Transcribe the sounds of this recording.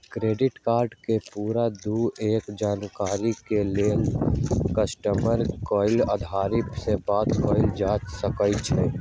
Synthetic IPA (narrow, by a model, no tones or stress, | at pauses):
kɾeɖɪʈkaːɾɖkepuɾad̪ueːkd͡ʒaːnkaɾikelelkəsʈəməɾkɔɪləd̪ʱaɾipsẽbat̪kɔɪld͡ʒasəkət͡ʃʰɛ